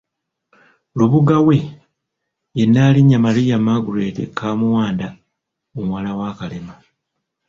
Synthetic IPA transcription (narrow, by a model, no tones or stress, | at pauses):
luβuɡawe̞ | jenːaːliɲːamalijamaɡuɾeːtḛkʰːaːmuwaːnda | omwalawaːkalema